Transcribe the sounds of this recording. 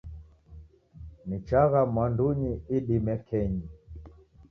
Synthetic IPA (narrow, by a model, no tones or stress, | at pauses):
mit͡ʃaɣamwanduɲiiɗimɛkʰɛɲi